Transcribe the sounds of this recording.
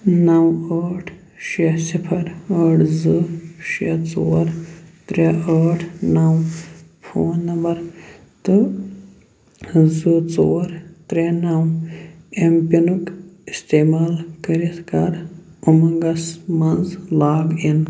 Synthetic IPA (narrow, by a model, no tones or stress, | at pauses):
nɐwəːʈʰ | ʃesipʰɐɾəːʈʰzɨʃet͡soːɾt̪ɾeəːʈʰnɐw | fʰoːnːɐmbɐɾ | t̪ɨ | zɨt͡soːɾt̪ɾenɐw | empɐnukist̪eːmaːlkɐɾit̪ʰkɐɾumɐŋɡɐsmɐnzlaːɡin